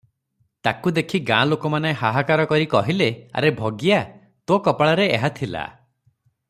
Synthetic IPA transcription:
t̪akud̪ekʰiɡã̰lokɔmaneɦaɦakaɾɔkɔɾikɔɦilea̰ɾebʱɔɡija | t̪ɔ̃kɔpaɭaɾeeɦat̪ʰila̰

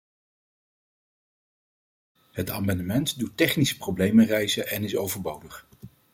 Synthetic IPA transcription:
ɦəta̰mɑndəmɛntdutːɛχnisə̥prowblejmərɛjzəʔɛnɪsowvəɹbowdəχ

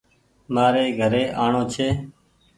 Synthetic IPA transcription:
maːɾeːɡʱəɾeːʔaːɳõːt͡ʃʰeː

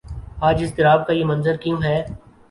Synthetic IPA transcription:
aːd͡ʒɪst̪ɪɾaːb̚kajemɐ̃nzəɾkijũːɦɛː

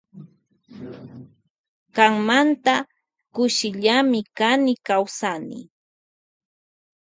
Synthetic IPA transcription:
kaŋmant̪a | kʊʃɪʎamɪkanɪkawsanɪ̰

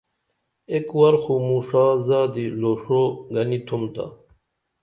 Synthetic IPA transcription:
ekwɐɾxumuʂaːzaːd̪iloːʂoɡɐnit̪ʰumt̪a̰

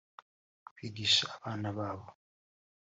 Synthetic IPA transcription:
piɡisaaβanaβaːβɔ

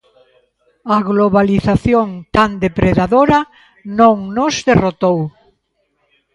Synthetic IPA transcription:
ɐɣloβaliθaθjoŋt̪and̪epɾeðaðoɾɐ | nõŋnozðerot̪ow

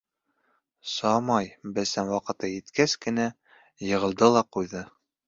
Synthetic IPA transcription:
sɒmɑjbɘsænwɑqɤ̆t̪ɤjɘ̆t̪kæskɘ̆næ | jɤ̆ʁɤ̆lˠd̪ɤlˠɑqujðɤ

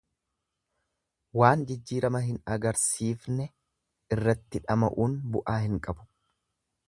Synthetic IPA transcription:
waːnd͡ʒɪd͡ʒːiːɾɐmɐɦɪnɐɡɐɾsiːfnɛ | ɪrːɐt̪ːɪᶑɐmɐ̰ʔuːnbʊʔaːhɪŋkʼɐbʊ̥

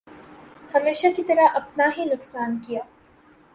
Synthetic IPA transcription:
hɐmeːʃakit̪ɐɾaʔɐpnaɦinʊksaːnkijaː

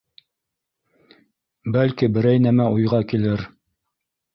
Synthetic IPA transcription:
bælkibɘ̆ɾæjnæmæujʁɑkilɘɾ

